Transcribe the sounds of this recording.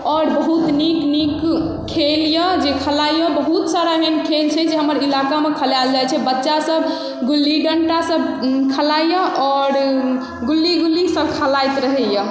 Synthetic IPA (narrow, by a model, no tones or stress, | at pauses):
ɔɾbəɦut̪niknikːʰ | eljəd͡ʒekʰəlajəbəɦut̪saɾaɦenkʰelt͡ʃʰɛd͡ʒeɦəməɾilakamekʰəljald͡ʒajt͡ʃʰɛbətːʃasəb | ɡulːiɖəɳʈasəbkʰəlajəʔɔɾ | ɡulːiɡulːisəbkʰəlajt̪ɾəɦɛjə